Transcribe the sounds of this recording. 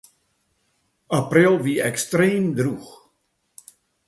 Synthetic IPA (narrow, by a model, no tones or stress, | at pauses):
aprɪlˠʋiɛkstreːmdrux